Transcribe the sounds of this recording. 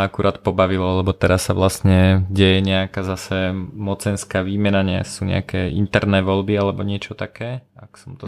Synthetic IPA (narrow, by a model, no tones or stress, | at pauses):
akuɾʔaːt̪pɔbaʋilɔlɛbɔt̪ɛɾasːaʋlastɲɛɟɛjɛɲɛakaːzasɛmɔt͡sɛnskaːʋiːmɛnaɲɛa̰suɲɛ̰akɛːʔḭnt̪ɛɾnɛːʋɔlbialɛbɔɲɪɛt͡ʃɔt̪akɛːaksɔmt̪ɔ